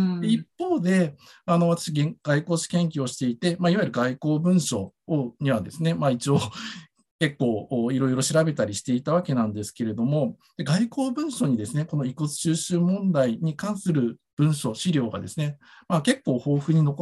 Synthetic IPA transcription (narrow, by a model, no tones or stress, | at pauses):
d̪eipːo̞ːd̪e̞ano̞βat̪ḁɕiɡeɡ̥aiko̞ːɕi̥kẽ̞ŋkʲio̞ɕi̥t̪e̞it̪e̞maiβajiɾɯ̟ɡaiko̞ːbɯ̟̃ɰ̃ɕo̞ɲ̟iβ̞ad̪e̞sɨne̞mait͡ɕio | ke̞kːo̞ːiɾo̞jɾo̞ɕiɾabe̞t̪aɾʲiɕi̥t̪e̞it̪aβake̞nãnd̪e̞sɨ̥ke̞ɾe̞d̪o̞mo̞d̪̥e̞ɡaiko̞ːbɯ̟̃ɰ̃ɕo̞ɲ̟id̪e̞sɨne̞ko̞no̞ikot͡sɨ̥ɕɨːɕɨːmõ̞nd̪aiɲ̟ikãɰ̃sɨɾɯ̟b̥ɯ̟̃ɰ̃ɕo̞ɕiɾʲo̞ːɡa̰d̪e̞sɨnemake̞kːo̞ːho̞ːɸɯ̟ɲ̟ino̞ko